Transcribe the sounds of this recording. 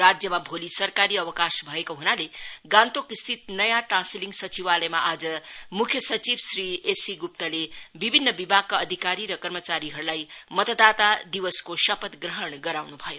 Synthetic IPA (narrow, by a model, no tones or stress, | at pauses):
ɾad͡zjʌmabʱolisʌrkaɾiʌbʌkasbʱʌekoɦunaleɡãnt̪okist̪ʰit̪̚nʌjaʈrãnsiliŋɡsʌt͡siwalʌjmaʔad͡zʌmukʰjʌsʌt͡sibsriesiɡup̚t̪ʌlebibʱinːʌbibʱaɡ̚kːaʌd̪ʱikaɾiɾʌkʌrmʌt͡saɾiɦʌɾulajmʌt̪əd̪at̪ad̪iwʌskosʌpʌt̪ɡrʌɦʌɳɡʌɾawnubʱʌjo